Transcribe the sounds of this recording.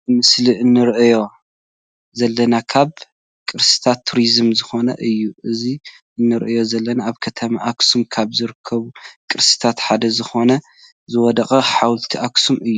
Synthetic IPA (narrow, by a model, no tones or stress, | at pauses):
ɨmɨsliɨnːɨɾʔɨjo̞ | zɐlːɐnakʰaβ | kʼɨɾsɨ̥t̪ʰat̪ʰːuɾizɨmzɨxo̞nɐ̰ʔɨjːuʔɨzi | ʔɨnːɨɾʔɨjo̞zɐlːɐnaːβkʰɐt̪ʰɐmaʔaksumkʰaβzɨɾɨkʰːɐβukʼɨɾsɨ̥t̪ʰat̪ħad̪ɐzɨxo̞nɐ | zɨwɔd̪ɐχʼɐħawlt̪ʰiʔaksumɨjːu